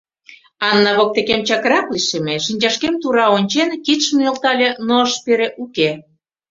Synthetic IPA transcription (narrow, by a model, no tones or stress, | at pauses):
ɑnːɑβok̚t̪ekemt͡ɕɑkɾɑkliʃemeʃinʲt͡ɕɑʃkemt̪uɾɑonʲt͡ɕenkit̪ʃəməlt̪ɑlʲenoəʃpeɾeʔuke